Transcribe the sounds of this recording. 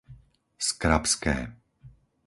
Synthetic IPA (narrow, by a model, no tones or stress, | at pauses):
skɾapskɛ̰ː